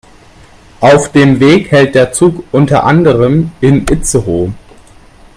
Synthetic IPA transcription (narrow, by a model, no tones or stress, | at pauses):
ʔaʊfd̥eːmveːkhɛlt̚d̥eːɐt͡suːkʔʊntɐʔandəʁ̞əmʔɪnʔɪt͡səʁoː